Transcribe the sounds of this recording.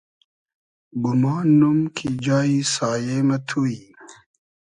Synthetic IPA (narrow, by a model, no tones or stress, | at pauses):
ɡumaːnːumkʰid͡ʑaːisaːjeːmɐt̪ʰui